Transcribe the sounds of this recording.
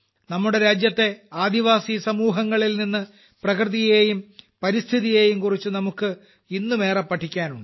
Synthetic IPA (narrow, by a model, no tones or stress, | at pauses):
nɐmːuɽe̞ɾaːd͡ʑjɐt̪ːe̞aːd̪iʋaːsisɐmuːɦɐŋːɐɭilninːɨ | prɐkrɨðijeːjumpɐɾist̪ʰiðijeːjumkurit͡ɕːunɐmukːɨ | inːume̞ːrɐpːɐʈʰːikʲːaːnuɳɖɨ